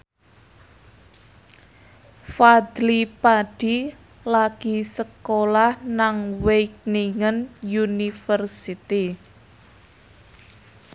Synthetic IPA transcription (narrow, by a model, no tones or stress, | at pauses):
fad̪lipaɖ̥i | laɡ̥isəkolahnaŋwejk̚niŋənjunifərsit̪i